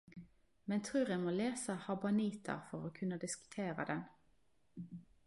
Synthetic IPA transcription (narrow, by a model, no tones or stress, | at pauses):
mɛnt̪ʰʁʉːʁjɛɪmoːleːsəhɑbɑniːt̪ʰə̰ʁfɔʁoːkʰʉnːəd̪ɪskʉ̥t̪ʰeːʁə̰d̪ɛn